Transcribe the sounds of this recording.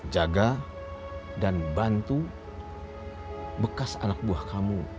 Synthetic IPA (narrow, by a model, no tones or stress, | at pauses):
d͡ʒaɡa | danbant̪u | bəkasanak̚buahkamu